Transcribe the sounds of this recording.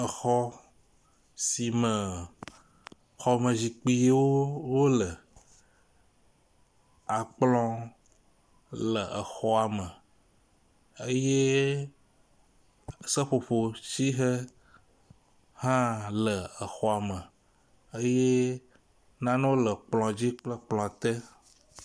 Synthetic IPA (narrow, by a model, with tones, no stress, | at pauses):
ə˨xɔ˦ | si˨mə̃˨ | xɔ˨mə̃˨zi˨k͡pi˦je˦wo˦wo˦lə˨ | a˨k͡plɔ̃˦ | lə˨ʔə̰˨xɔ˦a˨mə̃˨ | ə˦je˦ | sə˦ɸo˨ɸo˨si˦ɦə˦ | hã˦lə˨ə˨xɔ˦a˨mə˨ | ə˦je˦ | nã˦nẽ˦wo˦lə˨k͡plɔ̃˨d͡ʑi˦k͡plə˦k͡plɔ̃˨a˨t̪ɛ˦